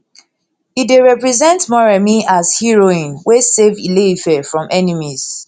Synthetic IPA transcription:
ideɹɛpɹɛzɛ̃ntmɔɹamiazhiɹoĩnwesevilefɛfɹɔ̃mʔɛnimiz̥

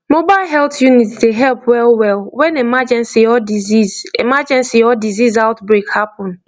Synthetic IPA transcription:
mobaɪlɦɛltjunitsdeɦɛlpwɛlwɛlwɛ̃nemad͡ʒɛ̃nsiɔdizizḛmad͡ʒɛ̃nsiɔdizizaʊtbɹekhapɔ̃n

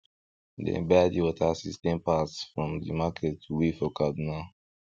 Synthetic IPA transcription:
dɛ̰̃badiwɔtʰasistɛ̃mpatsfɹɔ̃mdḭmakʰɛtʰːuwifɔkabina

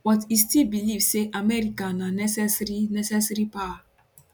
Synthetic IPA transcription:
wɔtistilbilivseʔamɛɾikãnanɛsɛsɾinɛsɛsɾipa

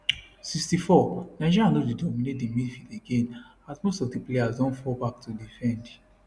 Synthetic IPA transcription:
sikstifɔnaɪd͡ʒiɹianodidɔmĩnet̚demidfileɡẽn | atmostɔfdiplejazdɔ̃nfɔbak̚tʰudifɛ̃nd

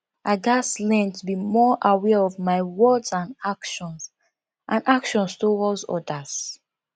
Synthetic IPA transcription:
ʔaɡaslɛ̃ntʰubimɔʔawɛɔvmaɪwɜdzãnakʃɔ̃ns | ʔãnakʃɔ̃nstowɔzɔ̰das

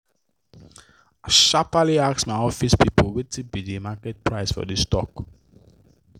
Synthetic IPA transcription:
aʃapaliaksmaɪɔfispipowetʰibidimakɛt̚pɹaɪsfɔ̰distɔ̰k

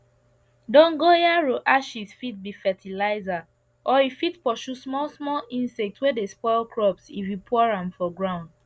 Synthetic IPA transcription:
dɔ̃ŋɡojaɹoʔaʃisfit̚bifɛtʰilaɪza | ʔɔifitpɔʃusmɔlsmɔlĩnsɛk̚twedespɔɪlkɹɔpsḭvipʰɔɹãmfɔɡɹãʊ̃nd

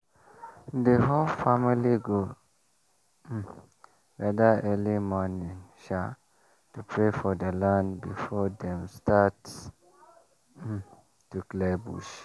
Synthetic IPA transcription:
dəɦolfamiliɡo | ɹadaɛlimɔnĩŋʃa | tupʰɹefɔdəlãnbifɔdɛ̃mstat | tuklɛbṵʃ

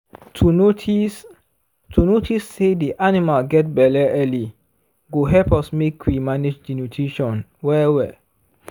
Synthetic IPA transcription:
tʰuotʰis | tʰunotʰisːediʔanimalɡɛt̚bɛlɛʔɛli | ɡoɦɛlpɔsmekʰwimaned͡ʒdinutʰɹiʃɔ̃nwɛwɛ̰

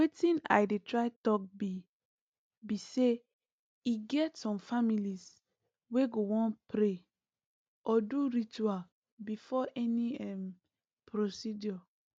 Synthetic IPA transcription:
wetĩna̰jdetɹaɪtɔk̚bi | bise | iɡɛtsɔ̃mfamilis | weɡowɔ̃npɾe | ʔɔduɾit͡ʃual | bifɔʔɛniɛm | pɾosidjɔ

